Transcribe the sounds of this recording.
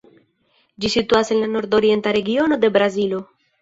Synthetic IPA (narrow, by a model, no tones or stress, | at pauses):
d͡ʒisituase̞nlano̞ɾdo̞ɾie̞ntaɾe̞ɡio̞no̞d̪e̞bɾazilo̞